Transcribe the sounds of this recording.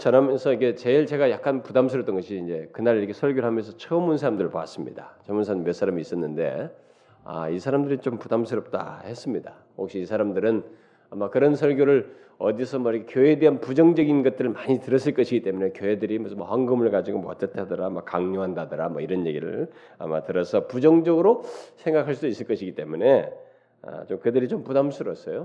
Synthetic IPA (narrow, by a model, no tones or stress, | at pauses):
t͡ɕʰʌɾamensʰʌike̞t͡ɕe̞iɭt͡ɕe̞ɡajak͈̚anpudams̬ʰɯɾʌp̚t͈ʌnɡʌɕʰiːnd͡ʑe̞kɯnaɾiɾʌkʰe̞sʰʌɭɡjoɭɦamjʌnsʰʌt͡ɕʰʌmunsʰaɾamndɯɾɭpoa̰s͈ɯmɲḭda̰t͡ɕʰʌmuns̬ʰamjʌsʰaɾamiːs͈ʌnːɯnde̞̰ | a̰isʰaɾamdɯɾit͡ɕompudamsʰɯɾʌp̚t͈a̰he̞s͈ɯmɲida | hok̚ɕ͈iːsʰaɾamdɯɾɯn | amakkɯɾʌnsʰʌɭɡjoɾɯɭ | ʌdisʰʌmʌkʰekjoede̞ɦanpud͡ʑʌŋd͡ʑʌɡinɡʌt̚t͈ɯɾɯɭmaɲitɯɾʌs͈ɯɭk͈ʌɕʰiɡit͈e̞mune̞kjoedɯɾimʌsmʌɸwaŋɡɯmɯɭkad͡ʑiɡomʌ̰t͡ɕ͈ʌtʰadɯɾamakaŋɲoɦandadɯɾamʌiɾʌnje̞ɡiɾɯ̰ɭ | a̰matɯɾʌsʰʌpud͡ʑʌŋd͡ʑʌɡɯɾosʰe̞ŋɡakʰaɭs̬͈udois͈ɯɭk͈ʌɕʰiɡit͈e̞mune̞ | a̰t͡ɕomkɯdɯɾit͡ɕompudamsʰɯɾʌps͈ʌjo